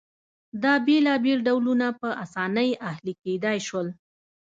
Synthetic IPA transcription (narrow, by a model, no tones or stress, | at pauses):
d̪ɑbelɑbelɖawlunapəʔasɑnəjahliked̪ɑjʃwəl